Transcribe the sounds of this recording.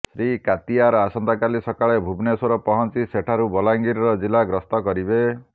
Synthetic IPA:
sɾikat̪iaɾɔasɔnd̪akalisɔkaɭebʱubnesɔɾɔpɔɦɔnt͡ʃiseʈʰaɾubɔlaŋɡiɾɾɔd͡ʒilaɡɾɔst̪ɔkɔɾibe

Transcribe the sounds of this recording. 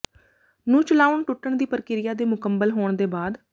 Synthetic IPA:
nũːt͡ʃəlaːʊəɳʈʊʈːəɳd̪iːpəɾkɪɾɪjaːd̪eːmʊkəmbəlɦoːɳd̪eːbaːd̪

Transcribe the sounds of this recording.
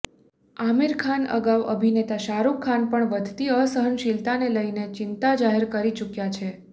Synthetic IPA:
amiɾkʰanə̰ɡaʋə̰bʱinet̪aʃaɾukʰːanpəɳʋəd̪ʱt̪iəsəɦənʃɪlt̪aneləjnet͡ʃɪnt̪ad͡ʒaɦeɾkəɾit͡ʃukjat͡ʃʰe

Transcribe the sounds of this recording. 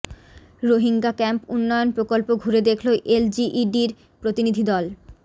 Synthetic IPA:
ɾoɦiŋɡakɛmpunːɔjonpɾokolpoɡʱuɾed̪ekʰloʔeld͡ʑiʔiɖiɾ | pɾot̪inid̪ʱid̪ɔl

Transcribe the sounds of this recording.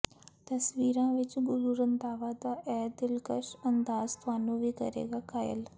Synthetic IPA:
t̪əsʋiɾãʋet͡ɕiɡuɾuɾənt̪aʋad̪aʔɛd̪ilkəʂənd̪ast̪ʋanuʋikə̰ɾḛɡakajḛl

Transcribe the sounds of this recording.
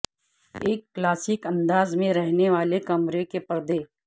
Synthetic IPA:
eːkːlaːsɪkɐ̃nd̪aːzmẽɾɛɦneʋaːlekɐmɾekepəɾd̪eː

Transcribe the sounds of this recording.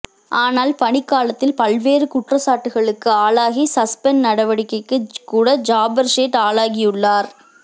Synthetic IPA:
aːnaːlpɐnɪkːaːlɐt̪ːɪlpɐlʋeːɾɯkʊʈrɐsaːʈːɯɣɐɭɯkːɯaːlaːɣisɐspɛnnɐɽɐʋɐɽɪkːɐɪkːɯkːuːɽɐd͡ʒaːbɐɾseːʈaːɭaːɣɪjɯɭːaːɾ

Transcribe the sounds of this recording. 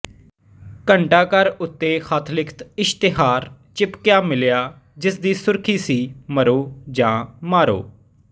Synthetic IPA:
kəɳʈaːkəɾʊt̪ːeːxət̪ʰlɪkʰt̪ɪʃt̪ɪɦaːɾ | t͡ʃɪpkjaːmɪljaː | d͡ʒɪsd̪iːsʊɾkʰiːsiːməɾoːd͡ʒãːmaːɾo̰ː

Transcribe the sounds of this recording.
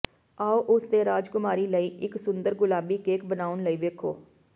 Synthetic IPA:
aːoʔʊst̪eːɾaːd͡ʒkʊmaːɾiːləiːɪksʊnd̪əɾɡʊlaːbiːkeːkbənaːʊnləiːʋeːkʰoː

